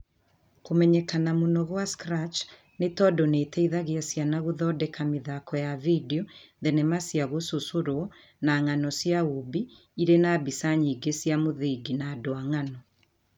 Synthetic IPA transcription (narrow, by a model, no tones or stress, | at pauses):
komɛɲɛkanamonɔɣwaskɾat͡ʃ | netɔdɔnetɛiðaɣeasjanaɣoðɔːdɛkameðakɔjavideɔðɛnɛmasjaɣososoɾwɔ | naŋanɔsjaubi | iɾenabisaɲiɡesijamoðiɡinaːdoaŋanɔ